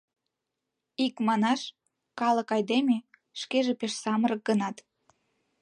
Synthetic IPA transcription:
ikmɑnɑʃ | kɑləkɑjd̪eme | ʃkeʒepeʃsɑməɾək̚ɡənɑt̪

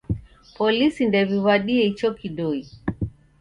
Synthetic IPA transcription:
pɔlisindɛvivaɗiɛit͡ʃɔkiɗɔi

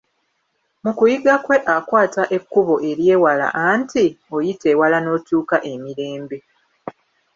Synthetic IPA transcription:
mukujiɡakwe̞ʔakwaːtaʔe̞kːuβo̞ʔe̞ɾje̞ːwala̰ʔantio̞jitewalano̞ːtuːkaʔe̞miɾe̞ːmbe̞

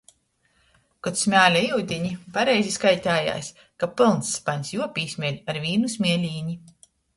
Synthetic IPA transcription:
kɔt̪smʲæːlʲaiwd̪ʲiɲipaɾɛjzʲiskajt̪ʲaːja̰ːsʲ | kapɨlˠnsːpaɲʲsjuɔpʲiːsʲmʲiɛlʲaɾvʲiːnusʲmʲiɛlʲiːɲi

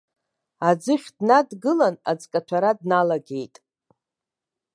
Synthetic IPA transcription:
ad͡zɨχʲdnadɡɨlanad͡zkʼat͡ʃʷʰaɾadnalaɡʲe̞jtʼ

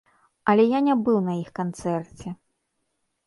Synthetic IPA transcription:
ɐlʲɛjanʲabɨwnɐjixkant̪sɛrt͡sʲɛ

